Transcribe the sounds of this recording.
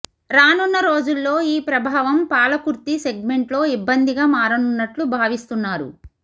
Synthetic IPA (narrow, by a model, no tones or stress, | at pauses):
ɾaːnunːɐɾo̞ːd͡ʒulːo̞ːiːpɾɐbʱaːʋɐmpaːlɐkuɾt̪ise̞ɡ̚me̞ɳʈlo̞ːibːɐnd̪iɡaːmaːɾɐnunːɐʈlubʱaːʋist̪unːaːɾṵ